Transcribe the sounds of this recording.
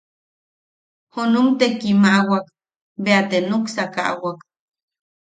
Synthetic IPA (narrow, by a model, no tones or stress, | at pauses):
hunumt̪ekimaʔwak | beat̪enuksaka̰ʔwak